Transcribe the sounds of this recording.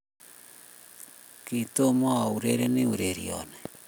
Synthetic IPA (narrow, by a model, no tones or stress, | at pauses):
kitomaauɾeɾeniuɾeɾḭo̰ne